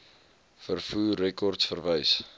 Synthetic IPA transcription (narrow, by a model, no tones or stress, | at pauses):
fərfuːrɛkɔrtsfərvəjs